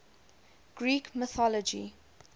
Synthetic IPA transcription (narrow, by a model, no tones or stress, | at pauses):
ɡ̥ɹiːkməθɔlɔd͡ʒḭ